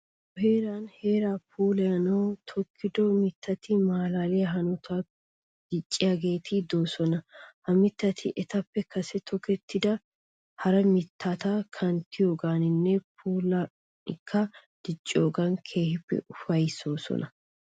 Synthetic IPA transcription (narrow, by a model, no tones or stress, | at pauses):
ɔheːɾaːnhe̞ːɾaːpʰuːlɛjɐnɐwt̪ʰɔkʰːɪd̪ɔmɪt̪ʰːɐt̪ɪmaːlaːlɪjɐɦɐnʊt̪ʰa | d̪̥ɪt͡ʃʼːɪjaɡe̞ːt̪ʰɪd̪o̞ːsɔnɐhɐmɪt̪ːɐt̪ʰɪʔɛt̪ɐpːɛkʰɐsɛt̪ʰɔkɛt̪ʰːɪd̪ɐ | hɐɾɐmɪt̪ʰːaːt̪akʰɐnt̪ʰɪjoːɡaːnɪnːɛpʰuːlɐ | ɪkʰːɐ | d̪̥ɪt͡ʃʼːoːɡɐnkʰe̞ːhɪpːɛ̰ʔʊfɐjsoːsɔ̰nʔɐ